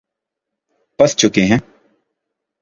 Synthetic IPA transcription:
pɐst͡ʃʊkeɦɛ̃ː

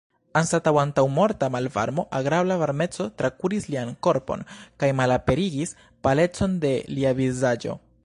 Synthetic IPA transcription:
ansatawantawmo̞ɾtamalva̰ɾmo̞ʔaɡɾablavaɾme̞t͡so̞tɾakuɾislianko̞ɾpo̞̰nkajmalape̞ɾiɡis | pale̞t͡so̞nde̞liavizad͡ʒo̞̰

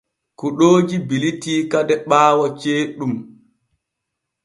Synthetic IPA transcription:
kuɗoːd͡ʒibilitiːkadɛɓaːwat͡ʃeːɗum

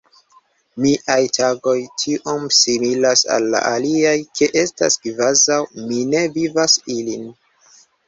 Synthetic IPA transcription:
miʔajtʰaɡo̞jtʰiʔo̞msimilasa̰lːa̰ʔaliajkʰe̞ʔe̞sta̰skvazawmine̞vivasilin

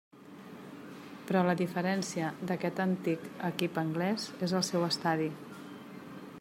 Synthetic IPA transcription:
pɾɔləðifəɾɛnsiəd̪əkɛt̪ənt̪ikəkipəŋɡlɛzezəlˠsɛwəst̪aði

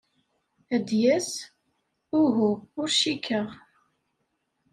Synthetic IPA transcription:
æd̪jæs | ʊɦuʊɾʃikəʁ

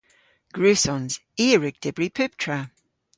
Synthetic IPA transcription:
ɡ̥ɹʉːsɔnz̥iːɹɪk̚d̥ɪbɹipʰʉp̚tʰɹa

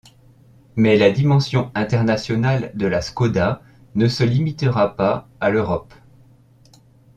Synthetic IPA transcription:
mɛlad̪imɑ̃sjɔ̃ɛ̃t̪ɛʁnasjɔnald̪əlaskɔd̪a | nəsəlimit̪əʁapaaløʁɔp

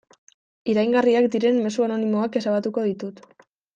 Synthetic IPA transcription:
iɾajŋɡariakd̪iɾe̞mːe̞suano̞nimo̞ake̞saβat̪uko̞ðit̪ut̪

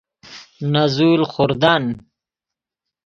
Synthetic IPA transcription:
nazuːlχʊɾd̪an

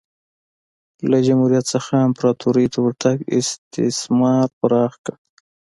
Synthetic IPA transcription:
lad͡ʒamhuɾijat̪səxaɪmpɾɑt̪ʰuɾit̪uwɾt̪ʰaɡɪ̰st̪ɪ̰smɑɾpaɾɑːxka

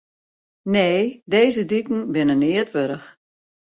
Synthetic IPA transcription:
neːdeːzədykn̩bɪnənɪətʋøɾəx

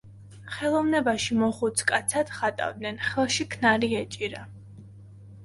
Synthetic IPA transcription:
χɛlˠɔvnɛbaʃimɔχut̪sʰkʼat̪sʰatd̪̥χat̪ʼa̰vd̪nɛnχɛlˠʃikʰnaɾiɛt͡ʃʼiɾa

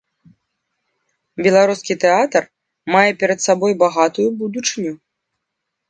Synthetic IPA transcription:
bʲɛlˠaɾuskʲit̪ɛat̪ɐr | majɛpʲɛɾɐt̪sabɔjbaɣat̪ujubud̪ut͡ʂɨnʲu

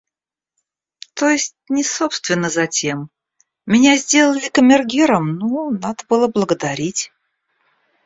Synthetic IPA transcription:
t̪ojɪsʲt̚ʲnʲɪsopst̪vʲɪnːəzɐtʲe̞m | mʲɪnʲazʲdʲe̞lˠəlʲɪkəmʲɪrɡʲiɾəmnonad̪əbɨlˠəblˠəɡəd̪ɐɾʲitʲ

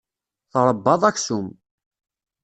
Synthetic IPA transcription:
θɾˤəbːɑðˤæçsum

